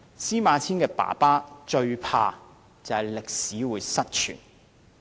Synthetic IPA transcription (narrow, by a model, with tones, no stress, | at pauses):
siː˥maː˨˧t͡sʰiː˥nkɛː˧pa̰ː˨˩paː˥t͡ʃɵ˧ɥpʰa̰ː˧ | t͡sɐ˨whɐ˨˩jlɪ˨k̚siː˨˥wuː˨˧jsɐ˥t̚t͡ʃʰy̰ː˨˩n